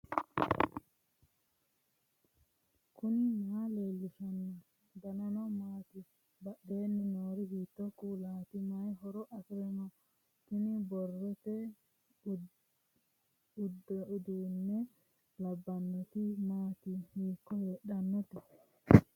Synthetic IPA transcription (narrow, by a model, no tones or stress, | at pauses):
kʰʊnɪmaːleːlːɪʃɐnː | dɐnɐnɔmaːt̪ɪ | bɐɗeːnːɪnoːɾɪhiːt̪ːɔkuːlaːt̪ɪmɐjɦɔɾɔʔɐsɪɾɛnɔ | t̪ɪnɪbɔrːɔt̪ɛ | dd̪eːnːɛ | lɐbːɐnːɔt̪ɪmaːt̪ɪhiːkːɔheːɗɐnːɔt̪ɪ